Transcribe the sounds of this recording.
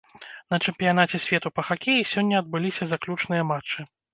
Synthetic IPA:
n̪ɐt͡ʂɨmpʲijanat͡sʲɛsʲvʲɛt̪upɐxakʲejisʲɔnʲːɐɐd̪̚bɨlʲisʲɐzaklʲut͡ʂn̪ɨjɐmat͡ʂːɨ

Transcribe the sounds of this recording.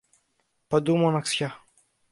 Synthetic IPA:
pad̪umɔnaksja

